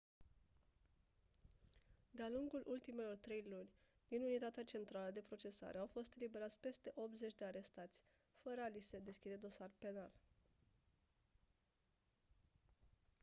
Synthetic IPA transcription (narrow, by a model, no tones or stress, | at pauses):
d̪ealuŋɡulʔult̪ime̞lo̞rt̪ɾe̞jlunʲ | d̪̥inunit̪at̪eat͡ʃe̞nt̪ɾaləd̪e̞pɾo̞t͡ʃe̞sa̰ɾe̞awfo̞st̪libe̞ɾat̪sʲpe̞st̪e̞ʔo̞p̚t̪ze̞t͡ʃʲd̪e̞aɾe̞st̪at̪sʲ | fəɾəalised̪e̞skʲid̪e̞d̪o̞sarpe̞nal